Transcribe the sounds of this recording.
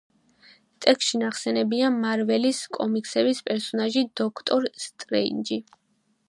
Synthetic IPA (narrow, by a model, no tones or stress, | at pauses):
t̪ʼɛkʰst̪ʃinaχsɛnɛbiamaɾvɛliskʼɔmikʼsɛbispʼɛɾsɔnaʒid̪ɔkʰt̪ʼɔɾst̪ʼɾɛ̰ind͡ʒi